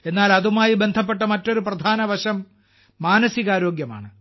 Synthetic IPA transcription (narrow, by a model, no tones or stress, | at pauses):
e̞nːaːlɐðumaːjibe̞nd̪ʱɐp̬ːe̞ʈːɐmɐtːo̞ɾuprɐd̪ʱaːnɐʋɐɕɐmː | aːnɐsiɣaːɾo̞ːɡjɐma̰ːɳɨ